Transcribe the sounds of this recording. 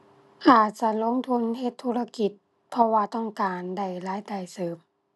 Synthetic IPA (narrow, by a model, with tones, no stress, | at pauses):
ʔaː˨˩t̪̚t͡ɕa˧˨lo˧˥˨ŋt̪ʰu˧˥˨nhe˧t̪ʰːuː˧la˧ki˨˧˩t̪̚ | pʰɔ˧waː˧t̪ɔ˥˩ŋkaː˨nda˧˩jlaː˨˦˥jt̪a˨˩jsɤː˨˩m